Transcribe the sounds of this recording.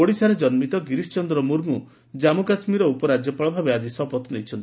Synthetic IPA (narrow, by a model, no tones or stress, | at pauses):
oɽisaɾed͡ʒɔnmit̪ɔɡiɾist͡ʃɔnd̪ɾɔmuɾmu | d͡ʒamukasmiɾɔupɔɾad͡ʒjɔpaɭɔbʱabead̪isɔpɔt̪nejt͡ʃʰɔnt̪i̥